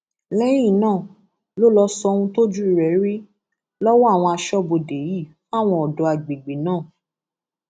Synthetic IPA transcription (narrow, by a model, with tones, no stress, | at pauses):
lɛ˦jĩ˦˨nãː˦˨ | lo˦lɔ˧sɔ˧ũ˧to˦d͡ʒu˦i˧ɾɛ˨˦ɾi˦ | lɔ˦wɔ˦a˦˨w̃ɔ̃˧a˧ʃɔ˦˨bo˧de˨˦ji˦˨fa˦˨w̃ɔ̃˧ɔ˨dɔ˧a˨ɡ͡be˨ɡ͡be˨nãː˦˨